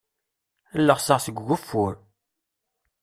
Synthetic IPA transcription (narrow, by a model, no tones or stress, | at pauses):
ælːəʁsəʁsəɡʷːʊfːuɾ